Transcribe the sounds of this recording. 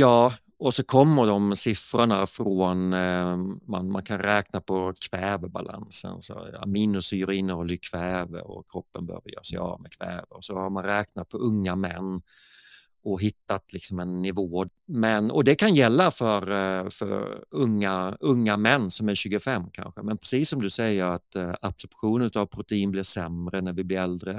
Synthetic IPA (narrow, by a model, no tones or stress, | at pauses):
jɑː | ɔsɔkʰɔmːəɖɔmsɪfɾəɳafɾoːn | manmankʰanɾɛːknapʰɔkʰvɛːvəba̰lʔa̰nsə̰nsɔ̰miːnɵsyːɾɪnːɔlʏkʰvɛːvə̰ɾɔ̰kʰɾɔpːənbəhø̰ːvəɾjœ̰ːɾsɛɪɑ̰ːmɛkʰvɛ̰ːvəɾɔsɔhaɾmanɾɛːknat̪̚pʰɔʔɵŋːamɛ̰nː | ɔɦɪt̪ːat̪lɪksɔmɛnːɪvoː | mɛnɔd̪ɛkʰanjɛlːafœɾfœ̰ɾɵ̰ŋːaɵŋːamɛnːsɔmæɾɕʉ̟ːɡəfɛmːkʰa̰nɧəmɛnpʰɾɛsiːsːɔmd̪ɵsɛjːəɾat̪ab̥sɔɾpɧuːnənʉt̪avpʰɾʊt̪ɛiːnblɪʂɛmɾənæɾvɪblɪɾɛld̪ɾə